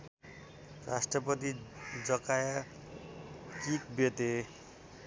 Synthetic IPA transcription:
ɾasʈɾɔpɔt̪id͡ʒɔkaja | kik̚bet̪e

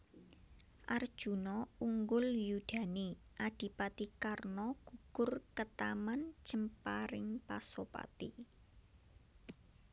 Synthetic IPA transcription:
ʔard̥ʒ̥ṳnɔuŋɡʊljud̥a̤niʔaɖ̥i̤pat̪ikarnɔɡ̥ṳkʊrkət̪aman̥ʒ̥əmpaɾɪŋpa̰sopa̰t̪i

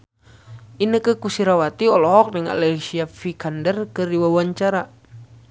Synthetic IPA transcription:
ʔinəkəkusiɾawat̪iɔlɔɦɔk̚dəŋa̰lɛsiafikandərkədiwawaɲt͡ʃaɾa

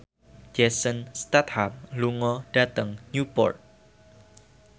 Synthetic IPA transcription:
d͡ʒɛsənst̪at̪̚hap̚luŋɔdat̪əŋɲjupɔ̰rt̪̚

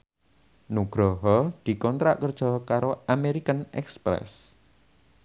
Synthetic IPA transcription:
nuɡ̥ɾɔɦɔd̪̥i̤kɔnt̪ɾa̰ʔkərd̥ʒ̥ɔ̤kaɾoameɾikənɛ̰kspɾɛ̰s

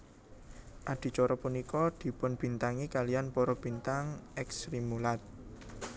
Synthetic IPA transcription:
ʔaɖ̥i̤t͡ʃɔɾɔpunikɔd̪̥i̤pʊnb̥i̤nt̪aŋikalijanpɔɾɔb̥i̤nt̪aŋɛksɾimulat̪̚

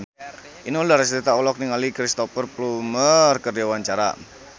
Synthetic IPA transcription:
ʔiniundaɾasɾit̪aɔlɔk̚niŋalikɾist̪ɔfərplumərkərjawaɲt͡ʃaɾa̰

